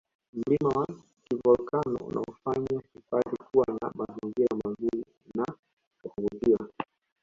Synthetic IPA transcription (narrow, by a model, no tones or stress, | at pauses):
m̩limawa | kivɔlkanɔ̰ṵna̰ɔfaɲakipatikuwana̰maziŋɡiɾamazuɾi | na | ukuɡutia